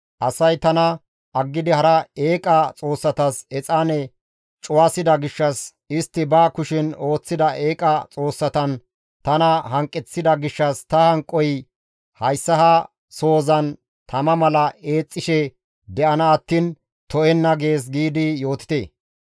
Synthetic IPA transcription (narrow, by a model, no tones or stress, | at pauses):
ʔɐsɐjt̪ɐnɐ | ʔɐɡːɪd̪ɪhɐɾɐe̞ːkʼɐt͡sʼo̞ːsːɐt̪ɐsɛt͡sʼaːnɛ | t͡ʃʼʊwasɪd̪ɐɡɪʃːɐs | ɪst̪ːɪbaːkʊʃɪno̞ːt͡sːɪd̪ɐʔeːkʼɐt͡sʼo̞ːsːɐt̪ɐn | t̪ɐnɐɦɐŋkʼːɛt͡sːɪd̪ɐɡɪʃːɐst̪ɐhɐŋkʼːɔj | hɐjsːɐhɐ | so̞ːzɐn | t̪ʰɐmɐmɐlɐe̞ːt͡sʼːɪʃɛ | d̪ɛʔɐnɐːt̪ːiːn | t̪ɔʔɛnːɐɡe̞ːs̬ɡiːd̪ɪjo̞ːt̪ɪ̥t̪ḛː